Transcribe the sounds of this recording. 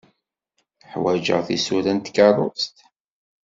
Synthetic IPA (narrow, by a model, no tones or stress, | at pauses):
ħwæd͡ʒə̰ʁθisulænt̪kɑrˤo̰st̪